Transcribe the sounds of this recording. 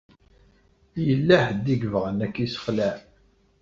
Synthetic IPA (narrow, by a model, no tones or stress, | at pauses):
jəlːæħd̪iɡvəʁənækːisə̥χlæ